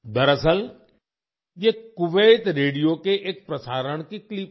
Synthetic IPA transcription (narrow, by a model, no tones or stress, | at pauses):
d̪ɐɾəsəl | d͡ʒeːkʊʋeːt̪ɾeːɽijokeʔek̚pɾɐsaːɾəɽ̃kiklip